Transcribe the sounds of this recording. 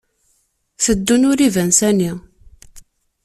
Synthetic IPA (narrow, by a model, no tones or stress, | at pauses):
θəd̪ːunʊɾivənsæni